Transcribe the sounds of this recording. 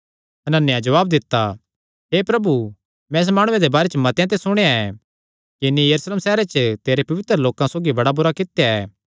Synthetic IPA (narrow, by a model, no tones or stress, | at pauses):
ɐnənːjãd͡ʒɐʋaːbd̪ɪt̪ːa | ɦeːpɾɐbu | mɛ̃es̬maːɽ̃ʊẽd̪ebaːɾet͡ʃəmɐt̪jãt̪̬esʊɽ̃eãɛː | kɪnijɐɾusleːmsɛːɾet͡ʃt̪eːɾepɐʋɪt̪ɾəloːkãsoːɡibɐɽabuɾakɪt̪jaɛ̰ː